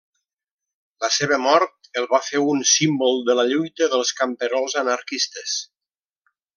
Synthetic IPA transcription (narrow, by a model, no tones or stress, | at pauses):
ləseβəmɔɾt̪əlˠβafeunsimbolˠd̪ələʎujt̪əðəlˠskəmpəɾɔlˠzənaɾkist̪əs